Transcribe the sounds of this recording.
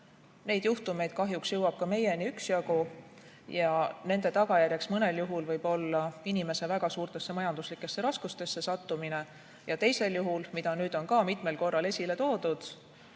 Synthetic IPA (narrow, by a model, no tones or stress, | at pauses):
ne̞jd̪juht̪ume̞jd̪̥kɑɦjuksjɤwɑb̥̚kɑme̞je̞niyksjɑɡ̥u | jɑne̞nd̪̥e̞t̪ɑɡɑjærjeksmɤne̞ljuɦulvɤjb̥o̞lːɑinime̞se̞væɡ̥ɑsuːrt̪e̞sːe̞mɑjɑnd̪̥uslikːˑe̞sːe̞ɾɑskust̪e̞sːe̞sɑt̪ːumine̞ | jɑt̪e̞jse̞ljuɦulmid̪̥ɑnyːd̪̥o̞nkɑːmit̪ˑme̞lko̞rːɑle̞sʲile̞t̪o̞ːd̪̥ud̪̥